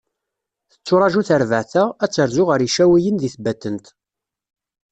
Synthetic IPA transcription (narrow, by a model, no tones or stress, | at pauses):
θə̥t͡sːʊɾˤɑʒuθəɾvəʕθææt͡sːəɾzʊʁəɾjiʃæwijənðiθbæt̪ːənt̪